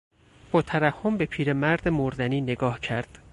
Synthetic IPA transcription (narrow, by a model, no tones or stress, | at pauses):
b̥ɒːt̪ʰæɾæhːombe̞pʰiːɾe̞mæɾd̪emoɾd̪æniːne̞ɡɒːhcʰæɾd̪̥